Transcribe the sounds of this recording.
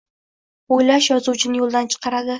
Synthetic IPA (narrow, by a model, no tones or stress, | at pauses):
ojlaʃjɒzuwt͡ʃʰɪnɪjolˠd̪ant͡ʃʰɨ̥qʰɑɾad̪ɪ